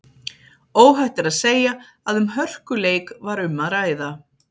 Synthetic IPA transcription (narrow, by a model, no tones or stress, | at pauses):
oːwɦɛht̪ɪɾaðseːja | aðʏmɦœr̥kʏleːjkvaɾʏmːaðɾaːjða